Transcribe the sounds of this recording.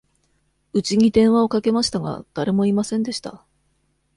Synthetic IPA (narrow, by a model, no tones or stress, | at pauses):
ɯ̟t͡ɕiɲ̟id̪ẽ̞ɰ̃βao̞kake̞maɕi̥t̪aɡa̰d̪̥aɾe̞mo̞imasẽ̞nd̪e̞ɕi̥t̪a